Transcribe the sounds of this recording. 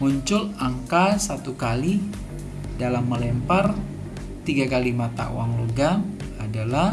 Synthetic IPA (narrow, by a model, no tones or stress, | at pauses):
muɲt͡ʃʊlaŋkasat̪ukali | dalamːəlɛmpar | t̪iɡakalimat̪a̰ʔṵwaŋluɡa | adala